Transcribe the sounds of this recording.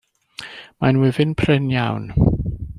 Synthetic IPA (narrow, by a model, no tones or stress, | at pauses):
manwɪvɪnpʰrɪnjawn